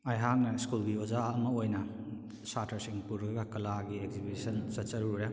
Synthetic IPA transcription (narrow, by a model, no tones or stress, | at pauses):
ajɦaŋnɐiskulɡiozaɐmɐojnɐ | satʰɐɾsiŋpuɾɐɡɐkɐlaɡiekzibisɐnsɐt͡ʃɐɾuɾe